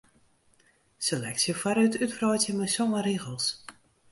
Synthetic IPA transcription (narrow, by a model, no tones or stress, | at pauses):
selɛksjəfaɾytytfrɔjtjəməjsɔŋəɾiɣəlˠs